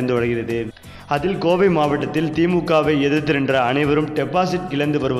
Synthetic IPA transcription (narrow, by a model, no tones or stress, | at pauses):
nd̪ɯʋɐɻɐɣɪrɐðɯ | ɐðɪlkoːʋɐɪmaːʋɐʈːɐt̪ːɪlt̪iːmukːaːʋɐɪɛðɐt̪ːɪnɛndrɐːnɐɪʋɐɾɯmʈɛpːaːsɪʈ̚kɪɭɐnd̪ɯʋɐɾɯʋ